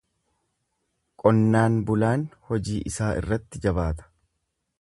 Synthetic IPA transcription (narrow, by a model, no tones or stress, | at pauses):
kʼɔnːaːnbʊlaːnhɔd͡ʒiːʔɪsaːʔɪ̰rːɐt̪ːɪd͡ʒɐbaːt̪ɐ̥